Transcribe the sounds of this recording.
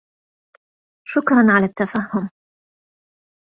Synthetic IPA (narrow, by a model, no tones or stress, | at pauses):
ʃʊkɾˤɑnʕalaːt̪ːafahːʊm